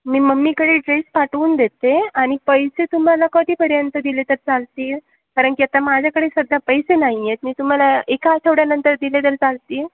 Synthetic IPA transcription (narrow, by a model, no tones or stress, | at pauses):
miːməmːiːkəɽeːɖɾespaʈuːnd̪et̪eaɽ̃ipəjset̪um̤alakəd̪ʱiːpəɾjənt̪əd̪ilet̪əɾt͡salt̪iːl | kaɾəɳkiat̪amad͡ʑʱjakəɽesəd̪ʱːapəjsenaɦijet̪̚miːt̪um̤alaekat͡ɕʰeʋɽjanənt̪əɾd̪ilet̪əɾt͡salt̪iːl